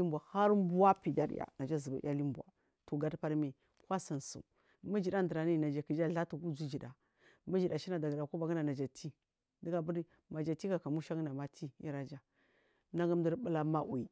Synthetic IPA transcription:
i˦mba˨ha˦ɾmbu˦wa˦pi˨da̰˨˦ɾ̰ja̰˨na˨d͡ʒa˦zə˨ba̰˨˦a˦li˦mbʷa̰˨ | tu˨ɡa˦dpa˦ɾmi˨ | kwa˦sə˨nsṵ˨ | mə˦d͡ʒi˨ɗa˦ndɾa˨ni˦na˨d͡ʒa˨ki˨d͡ʒa˦ɮa˦tu˨ku˦d͡ʒu˦d͡ʒi˨da̰˨ | mə˦d͡ʒi˨da˨ʃi˦na˨da˨ɡə˨da˨ku˦ba˨ɡə˦na˨na˨d͡ʒa˨tʰi˦ | di˦ɡa˨bə˦ɾi˦ | ma˨d͡ʒa˨ti˦ka˨ka˨mu˦ʃa˦ɡna˨ma˦tʰi˦i˦ɾa˨d͡ʒa˦ | na˦ɡa˦m˦də˦ɾbə˦la˦ma˦ʔwi˨

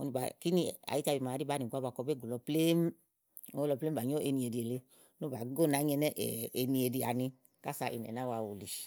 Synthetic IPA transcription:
o̰˧ni˧ba̰˨ki˦ni˧˨a̰˨i˦t͡ʃa˧bi˨˧ma˨˧di˦ba˨˦ni˨ɡʷa˧ba˧kɔ˧be˦ɡu˨lɔ˧ple˦m | o˦lɔ˧ple˦m˦ba˨ɲo˦ʔe˧nĩ˧e˨di˧e˨le˧ | no˦ba˨˦ɡo˦˨na˨˦ɲ˦ɛ˧nɛ˦ʔɛ̰˨e˧nĩ˧e˨˧di˧a̰˨nĩ˧ | ka˦sa˧ʔi˨˧n˨ɛ̰˨na˦wa˧wu˨li˨ʃ

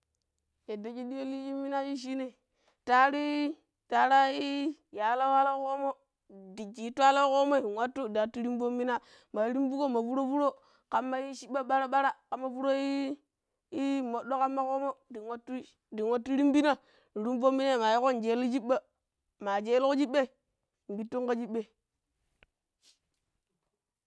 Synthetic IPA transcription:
e˨da˨ki˦di˦e˦li˦d͡ʒi˦mːi˦na˦ji˦ʃ̬i˦ne˨ | ta˦ɾi˦ | ta˨ɾa˦i˦ja˨la˦wa˦la˦ko˦mo˦ | di˨t͡ʃi˨˦tʷa˦lo˦ko˦mo˦i˨wʷa˦tːu˦˨da˨tːu˦ɾi˦mbo˦mːi˦na˦ | ma˨˦ɾi˦mbu˦ko˦˨ma˨fu˦ɾo˦fu˦ɾo˦ | ka˨mːa˦ji˦ʃi˦ɓːa˦ɓa˦ɾa˦ɓa˦ɾa˦ka˨mːa˦vu˦ɾo˦i˦ | i˦mo˨ɗo˦ka˦mːa˦ko˦mo˦di˨wa˦tːu˦ | di˨wa˨˦tːu˦ɾi˦mbi˦na˦˨ | ɾi˦mbo˦mːi˦na˦˨ma˨ji˦ko˦˨nd͡ʒe˨˦li˦d͡ʒi˦ɓːa˦ | ma˨d͡ʒe˦lko˦d͡ʒi˦ɓːe˦˨ | m̩˨bi˨˦tːo˦ŋka˦d͡ʒi˦ɓːe˨

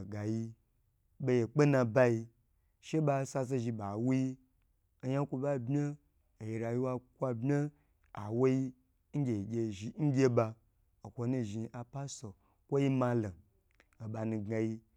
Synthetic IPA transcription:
ɡa˨ji˧ | be˧je˨k͡pe˦nã˧ba˦ji˧ | ʃe˦ba˧˦sa˧s̬e˦ʒi˧ba˨wu˦ji˦ | o˦ja˦kʷu˧ba˦˨bmʲe˦ | o˨je˨ɾa˨ji˦wa˧kʷa˧bmʲe˦ | a̰˨wo˦ji˦ | ŋ̩˦ɡʲe˨ɡʲe˧ʒi˨˦ŋ̩˦ɡʲe˦ba˧ | o˨kʷo˧˦nu˧˨ʒi˧a˨pa˦so˨ | kʷo˦ji˦ma˧lo˨ | o˨ba˨nũ˧ɡa˨˧ji˧

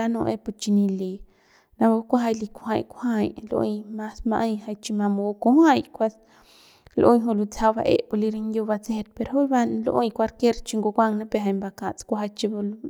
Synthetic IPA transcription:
a˦˧nõ˧ʔe˧pu˧t͡ʃi˧ni˧li˧ | na˧ba˧kʷa˦ɦa˧jli˧kʷo˧hã˧˨jkʷha˧jlo̰˧jma˦sma˧ʔa˧jha˧jt͡ʃi˧ma˧mo˧ko˧ha˦jkʷa˧s | loʔo˧ɲɦo˧lu˧t͡sa˧βa̰˧ʔe˧pu˧li˧ɾi˧ŋjo˧ba˧t͡see˧t̪̚pe˧ɾɦo˦lba˧lo˧ʔo̰˧jkʷa˧ɾke˦ɾt͡ʃi˧ŋɡo˧ɡʷa˦˧ŋna˦pe˧ɦa˧jmba˧ka˨t͡skʷa˧ɦa˧t͡ʃi˧bu˧l

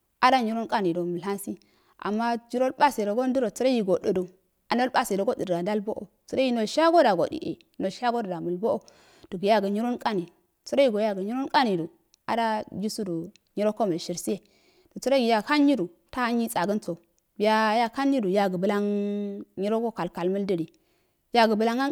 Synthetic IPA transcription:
a˦da˦ɲi˦ɾo˦nkʼa˦ni˨do˨mə˨lɦa˦nsi˦ | a̰˨mːa˦d͡ʒi˦ɾo˦lba˦si˨ɾo˨ɡo˦n˦du˦ɾo˨t͡su˦ɾa˦ji˨ɡo˨də˨du˨ | a˨no˦lba˦si˨ɾo˨ɡo˦di˨dɡa˨da˦lbo˦ʔo̰˨ | t͡su˦ɾa˦i˦no˨ʃa˦ɡo˦da˨ɡo̰˨dḭ˨ʔḛ˨˦no˨ʃa˦ɡo˦də˨da˨mu˨lbo˦ʔo˦˨ | d̥u˨ɡja˦ɡə˨ɲi˦ɾo˦nkʼa˦ni˨ | t͡su˦ɾa˦ji˦˨ɡo˨ja˦ɡə˨ɲi˦ɾo˦nka˦ni˨du˨ | a̰˨da˦ji˦su˦du˨ | ɲi˦ɾo˦ko˦mə˨lʃi˨ɾsi˦je˨ | d̥o˨t͡su˦ɾo˦ɡi˨ja˨ka˦nji˦du˨ | ta˦a˦nji˦t͡sʼa˨ɡə˦nt͡so˨ | bi˨ja˦ja˦ka˦nji˦du˨ja˨ɡə˨bə˦la˦ŋ | ɲi˦ɾo˦ko˦ka˨lka˨lmə˦ldə˦ɾi˨ | ja˦ɡə˨bə˨la˦ŋa˦

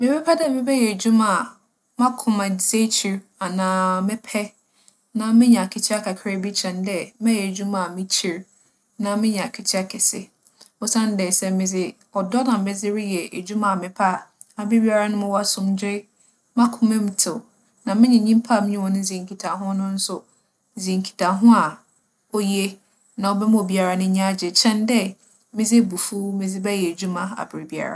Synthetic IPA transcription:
mɪ̃˦bɛ˦pʰɛ˦dɛ˦˨mɪ̃˦bɛ˦jɛ˨d͡ʑu˦mã˨ | mã˦kʰʊ̃˨ma˨ze˦t͡ɕʰi˨ɾ | a˨nãː˨mɪ̃˦pʰɛ˦ | nã˨mɪ̃˦ɲɛ̃˨a˨kʰɪ˨t͡ɕʰɪ˦a˦kʰa˨kʰɾe˦bi˦t͡ɕʰɛ̃˨n˦dɛ˦mɛ̃˦jɛ˨d͡ʑᶣu˦mã˨mɪ̃˦t͡ɕʰi˨ɾ | nã˨mɪ̃˦ɲɛ̃˨a˨kʰɪ˨t͡ɕʰɪ˦a˦kʰɛ˨sɪ̰˨ | ʊ˦sã˦n˦dɛ˨sɛ˨mɪ̃˨d͡zɪ˦ | ɔ˨dɔ˦nã˨m̩˨mɛ˦d͡zɪ˦ɾɪ˦jɛ˨e˨d͡ʑu˦mã˨mɪ̃˨pʰa˦˨ | a˨bɾɪ˦bi˦a˦ɾa˦nʊ̃˦mʊ̃˦wa˦sʊ̃˦md͡ʑɪ˦ɾɪ˦ | mã˦kʰʊ˨mɪ̃˦m˨tʰɪ˨ | nã˨mɪ̃˦ɲɛ̃˨ɲĩ˦m˦pʰa˦˨mɪ̃˦ɲɪ̃˦wɔ˦nʊ̃˦zĩ˨ŋkʰi˨tʰa˨ɦʊ̃˦nʊ̃˦n̩˦sʊ˨ | zĩ˨ŋkʰi̥˨tʰa˨ɦʊ̃˦a˨ | ɔ˦je˦ | nã˨ɔ˨bɛ˦m̃˦o˨bi˦a˨ɾa˨nʊ̃˦ɲã˦d͡ʑɛ˨t͡ɕʰɛ̃˦ndɛ˦ | mɪ̃˦d͡zɪ˦bu˨fu˦mɪ̃˨d͡zɪ˦bɛ˦jɛ˨e˨d͡ʑu˦mã˨a̰˨bɾɪ˨bi˨a̰˦ɾa̰˦˨

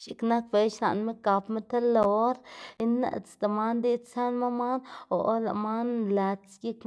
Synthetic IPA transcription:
ʃi˨kna˦k̚be˨˧ʃna̰˨nme˦ka˨˧pme˦t̪a˦lo˨˦ɾi˦na̰˧˨t͡st̪a˨ma˦nd̪i˦sa˦nma˦ma˦no˨ʔla̰˨ʔma˦nla˧t͡sɡʲi˦k

